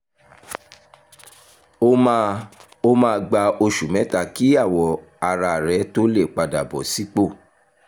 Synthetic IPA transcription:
o˦mãː˧ɡ͡ba˧o˧ʃu˨mɛ̃˨˦ta˦˨ki˦a˦˨wɔ˨˦ | a˧ɾa˧˨ɾɛ˨˦to˦le˦˨k͡pa˧da˨bɔ˨si˨˦k͡po˦˨

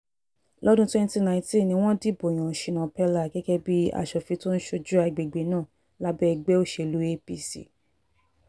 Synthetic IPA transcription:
lɔ˦dũ˦twɛ̃˦n˦ti˦nã˧˨ĩ˧tĩ˦˨nĩ˧w̃ɔ̃˦di˦˨bo˨j̃ã˨ʃi˨˧nã˨pɛ˦la˦˨ɡɛ˦kɛ˦bi˦a̰˧˨ʃɔ˨fi˨˧to˦n̩˦ʃo˧d͡ʒu˦a˧˨ɡ͡be˨ɡ͡be˨˦nã˦˨ | la˦bɛ˦ɛ˧ɡ͡bɛ˦o˦˨ʃe˧˨lu˨˦e˦pi˦sḭ˨

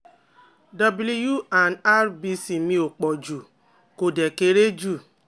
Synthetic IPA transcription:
da˨bli˦ju˦a˨na˦ɾbi˦si˨mĩ˦o˨k͡pɔ˨d͡ʒu˨ | ko˨de˨ke˨ɾe˦d͡ʒu˦˨

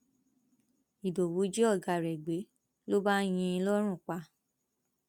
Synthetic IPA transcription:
i˨do˨wu˨˦d͡ʒe˦ɔ˦˨ɡa˧˨ɾɛ˨ɡ͡be˨˦ | lo˦ba˦j̃ĩ˧lɔ˦ɾ̃ũ˦˨k͡pa˧

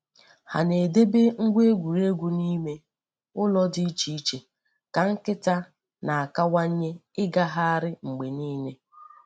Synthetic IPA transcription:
ha̰˨ne˨de˦be˦ŋ̩˦ɡʷe˦ɡʷu˨ɾe˦ɡʷu˨ni˦me˦ | ʊ˦lɔ˦di˦i˦t͡ʃi˦i˦t͡ʃe˨ | ka˨ŋ̩˦kɪ˦ta˦ | na˨a˨ka˦wa˦ɲ̩˦ɲe˦ɪ˦ɡa˦ɦa˦a˦ɾɪ˦ŋ͡m̩˨ɡ͡be˨niː˦ne˦

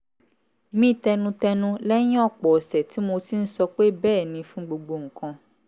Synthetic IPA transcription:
mĩ˦tɛ˧nũ˧tɛ˧nũ˦lɛ˦ɲ̃˦ɔ˦˨k͡pɔ˨sɛ˨ti˨˦mo˧ti˦n̩˦sɔ˧k͡pe˦bɛː˦˨nĩ˧fũ˦ɡ͡bo˧ɡ͡bo˧ŋ̩˨kʰɔ̃˧

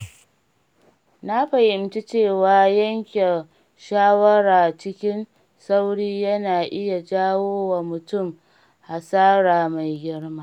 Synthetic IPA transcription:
na˦ɸɐ˨hɪ˨mti˦t͡ʃeː˦˨waː˨jɐ˦ŋkʲe˨ | ʃaː˦wɐ˦ɽaː˨t͡ʃɪ˦kʲɪ˦n | sa˦wɽiː˦jɐ˦naː˨ʔɪ˦ja˨d͡ʒaː˦woː˦wa˨mʊ˨tʊ˦˨m | ha˨saː˦ɾaː˨ma˨jɡʲɪ˦rmaː˦

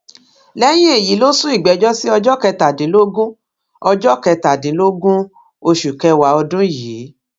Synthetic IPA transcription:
lɛ˦j̃ĩ˦e˦˨ji˨˦lo˦sũ˦i˦˨ɡ͡bɛ˨˦d͡ʒɔ˦si˦ɔ˧d͡ʒɔ˦kɛ˧ta˨dĩ˨˦lo˦ɡũ˦ | ɔ˧d͡ʒɔ˦kɛ˧ta˨dĩ˨˦lo˦ɡũ˦ | o˧ʃu˨kɛ˧wa˨˦ɔ˧dũ˦˨ji˨˦

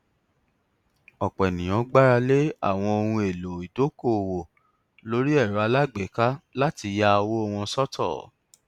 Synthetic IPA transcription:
ɔ˨k͡pnĩ˨j̃ɔ̃˨˦ɡ͡ba˦ɾa˧le˦a̰˦˨w̃ɔ̃˧o˧ɾũ˧e˨lo˨i˨do˨˦ko˦˨wo˨ | lo˦ɾi˦ɛ˦˨ɾa˨˧la˦ɡ͡be˨˦ka˦la˦ti˧ja˦˧wo˦ɔ˧w̃ɔ̃˧˦sɔ˦tʰɔ̰˦˨

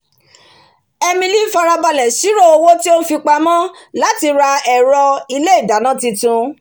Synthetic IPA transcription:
ɛ˧mĩ˧li˦fa˧ɾa˧ba˧lɛ˨ʃi˨˦ɾo˦˨o˧wo˦ti˦o˦fi˧k͡pa˧mã˦la˨˦ti˧ɾa˧ɛ˨ɾɔ˧i˧le˦i˦˨da˨˦nã˦ti˧tũ˧

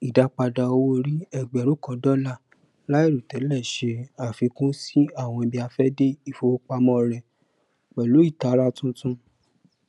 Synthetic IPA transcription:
i˨da˦k͡pa˧da˧o˧wo˦ɾi˦ɛ˦˨ɡ͡bɛ˨ɾu˨˦kɔ̃˧dɔ˦la˦˨ | la˦i˦˨ɾu˨tɛ˨˦lɛ˦˨ʃe˧a˦˨fi˨˧˦kũ˦si˦a˦˨w̃ɔ̃˧i˧˨bi˧a˧fɛ˦de˦i˦˨fo˨˧o˦k͡pa˧mɔ̃˦ɾɛ˨ | k͡pɛ˨lo˨˦i˦˨ta˨˦ɾa˦tũ˦tũ˦

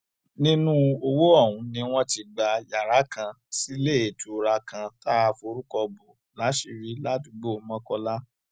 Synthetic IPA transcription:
nĩ˦nũ˦o˧wo˦ɔ˦˨wũ˨˦nĩ˧w̃ɔ̃˦ti˧ɡ͡ba˧ja˨ɾa˨˦kã˧ | si˦le˦˨e˨tu˨˧ɾa˧kã˧ta˦a˨˧fo˧ɾu˦kɔ˧bo˨ | la˨˦ʃi˨˧˨ɾi˦la˦ti˧ɡ͡bo˦˨˧mã˦kɔ˧la˦

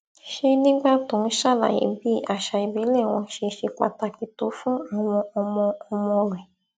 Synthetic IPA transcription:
ʃe˧nĩ˦ɡ͡ba˦tõ˨˦n̩˦ʃa˦˨la̰˨jḭ˨˦bi˦a˦˨ʃa˧i˨bi˨˦le˦˨w̃ɔ̃˧ʃe˧ʃe˧k͡pa̰˨ta˧ki˨to˨˦fũ˦a˧w̃ɔ̃˧ɔ˧mɔ̃˧ɔ˧mɔ̃˧ɾɛ˨

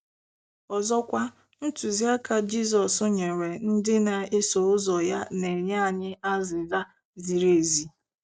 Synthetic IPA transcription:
ɔ˨zɔ˦kʷa˦ | n̩˦tu˨zi˦a˦ka˨d͡ʒi˦sɔ˨sʊ˦ɲe˨ɾe˨n̩˦dɪ˦na˨e˦so˨ʊ˦zɔ˨ja˦ne˨ɲe˦a˨ɲɪ˦a˦zɪ˨za˦ | zi˨ɾe˦˨zi˨

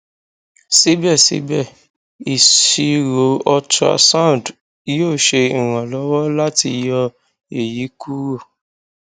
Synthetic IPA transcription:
si˨˦bɛ˦˨sḭ˨˦bɛ˦˨ | i˨ʃi˧ɾo˨˦ɔ˧ta̰˧sã˦˨d | joː˦˨ʃe˧ĩ˨ɾ̃ã˨lɔ˨˦wɔ˦la˦ti˧jɔ˧ | e˨ji˨˦ku˦ɾo˦˨

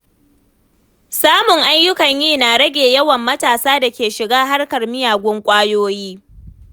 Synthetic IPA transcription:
saː˦mʊ˨ŋʔa˦ɲjʊ˦kɐ˨ɲjiː˦naː˨ɽɐ˦ɡʲeː˨jɐ˦wɐ˨mːɐ˦taː˨saː˦da˨kʲeː˨ʃɪ˨ɡaː˦ɦa˦rkɐ˨rmɪ˦jaː˨ɡʷʊ˦ŋkʷʼaː˦joː˦jiː˦

